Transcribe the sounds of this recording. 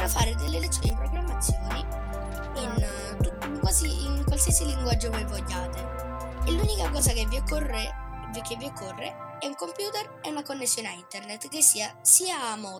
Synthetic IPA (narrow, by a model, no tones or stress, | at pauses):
ɾafaːɾed̪elːelet̪ːjoːnipɾoɡɾamːat̪sjoːni | in | t̪u | kwaːziʔiŋkwalsiasiliŋɡwad͡ʒːovajvoʎːaːt̪eelːuːnikakɔːsakevːiokːorevikevːiokːorːḛɛuŋkompjuːt̪ereunakonːesːjoːneaint̪ernet̪ːkesːiːasiːaːmɔː